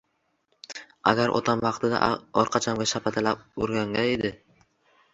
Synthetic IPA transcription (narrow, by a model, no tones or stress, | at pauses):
a̰ɡʲaɾʔɒ̰t̪ʰamvɑqt̪ɪd̪a̰ɒɾqʰɑt͡ʃʰamɡʲaʃapʰat̪ʰalap̚oɾɡʲaŋɡʲaed̪ɪ